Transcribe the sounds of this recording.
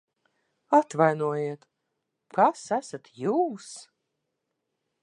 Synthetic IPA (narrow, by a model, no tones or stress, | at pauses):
at̪vajnuɔjiɛt̪ | kasæsat̪juːs